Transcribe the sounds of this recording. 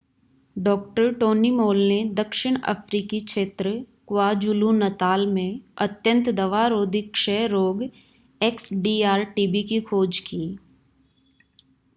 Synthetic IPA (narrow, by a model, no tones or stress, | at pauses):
ɖɔːk̚ʈəɾʈoːnimoːlned̪əkʃɪɽ̃ə̰pʰɾiːkikʃeːt̪ɾə | kwaːd͡ʒulunɐt̪aːlmẽɐt̪jə̃nt̪d̪ɐʋaːɾoːd̪ʱɪkʃɛːɾoːɡ | eːksɖiːaːɾʈiːbikikʰoːd͡ʒkiː